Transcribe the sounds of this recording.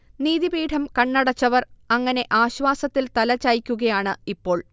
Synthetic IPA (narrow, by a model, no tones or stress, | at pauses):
niːðibiːʈʰɐmkɐɳːɐɽɐt͡ɕːɐʋɐrɐŋːɐne̞ʔaːɕʋaːsɐt̪ːilt̪ɐlɐt͡ɕːaːjkʲːuɣɐjaːɳɨipːo̞ːɭ